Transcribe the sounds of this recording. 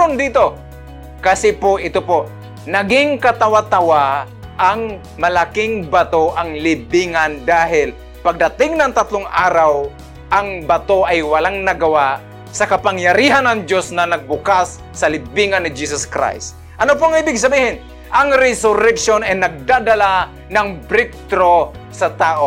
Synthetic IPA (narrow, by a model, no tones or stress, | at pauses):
ond̪iːt̪o | kasɪpoʔɪt̪opo | nɐɡɪŋkɐt̪awat̪awa | ʔaŋ | mɐlakɪŋbat̪oʔaŋlɪbiŋand̪aːɦɪl | paɡ̚d̪ɐt̪ɪŋnɐŋt̪at̪lʊŋʔaːɾaw | ʔaŋbɐt̪oʔajwɐlaŋnɐɡɐwaʔ | sɐkɐpaŋjɐɾiːɦanɐŋd͡ʒjosnɐnɐɡ̚bʊkasː | ɐlɪbiŋanːɪd͡ʒiːsɐskɾa̰js | ʔɐnop̬oaŋiːbɪɡs̬ɐbiːhɪn | ʔɐŋɾɛsʊɾɛkʃonɛnɐɡ̚d̪ad̪ala | naŋpɾɪk̚t̪ɾosɐt̪aːʔo